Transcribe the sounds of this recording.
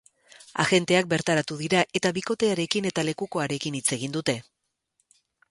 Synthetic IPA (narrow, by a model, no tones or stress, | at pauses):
a̰ɣe̞nt̪e̞ak̚be̞ɾt̪aɾat̪uðiɾaʔe̞t̪aβiko̞t̪e̞aɾe̞kine̞t̪ale̞kuko̞aɾe̞kinit͡se̞ɣ̞ind̪ut̪e̞